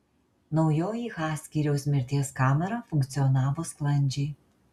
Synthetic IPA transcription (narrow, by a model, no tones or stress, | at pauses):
nɒʊjoːjiɣɑːsʲkʲiɾʲɛʊsʲmʲɪɾʲt̪ʲiɛskɑːmʲɛɾɐfʊŋʲkt̪sʲɪɔnɑːʋoːsklˠɐnʲˑd͡ʒʲɛɪ